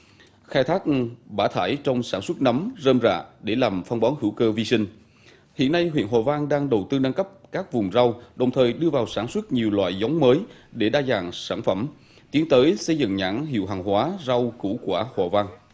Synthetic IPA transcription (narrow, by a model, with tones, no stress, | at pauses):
xaː˧jt̪ʰaː˦˥k̚ɓaː˧˩t̪ʰaː˧˩jt͡ɕɔ˧wŋ͡msaː˧˩nswə˦˥t̚nə˨˦mzəː˧mza̰ː˧˨ɗe˧˩laː˨˩mfa˧wŋ͡mɓɔ˨˦nhɨ˧˩wkəː˧vi˧sï˧ŋ̟ | hḭ˧˨ənːa˧jɦwḭ˧˨ənɦwaː˨˩vaː˧ŋɗaː˧ŋɗə˨˩wt̪ɨ˧na˧ŋkə˦˥p̚kaː˦˥k̚vʊ˨˩ŋ͡mza˧wɗə˨˩wŋ͡mt̪ʰəː˨˩jɗɨ˧əvaː˨˩wsaː˧˩nswə˦˥t̚ɲi˨˩əwlwa̰ː˧˨jza˨˦wŋ͡mməː˨˦j | ɗe˧˩ɗaː˧zaː˨˩ŋsaː˧˩nfə˧˩m | t̪i˨˦ənt̪əː˨˦jsə˧jzɨ̰˧˨ŋɲa̰ː˧˥ŋɦḭ˧˨əwɦaː˨˩ŋɦwaː˨˦za˧wku˧˩kwaː˧˩haː˨˩vaː˧ŋ